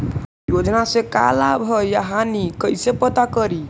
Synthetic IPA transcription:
jod͡ʒnaseka̰labʱəjaɦanikəjsepət̪akəɾi

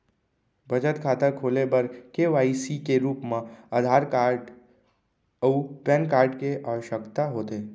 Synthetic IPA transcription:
bʱəd͡ʒət̪kʰaːt̪əɾkʰoːlebəɾkeʋaːisikeɾuːpmãəd̪ʱaːɾkaɖ | upɛnkaːɾɖkeʔaːʋəʃjəkt̪aɦoːt̪eː

